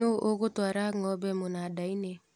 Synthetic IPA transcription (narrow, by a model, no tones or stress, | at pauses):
oʔoɣotwaɾaŋɔbɛmonadaine